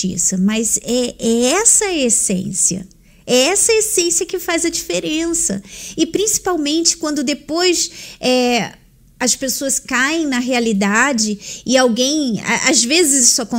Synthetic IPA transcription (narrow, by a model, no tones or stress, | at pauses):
ḭsɐmɐzɛɛɛsɐesḛ̃siɐ̰ | ɛɛsɐesẽsiɐkɪfajzɐd͡ʒifeɾẽsɐ̰ɪpɾĩsi̥pawmẽnt͡ʃɪ̥kwɐ̃nd̪ʊd̪epojsɛ | ɐspesoɐskaẽj̃nɐɦealid̪ad͡ʒɪɪawɡẽj̃a̰ʔazvezɪzisʊakõ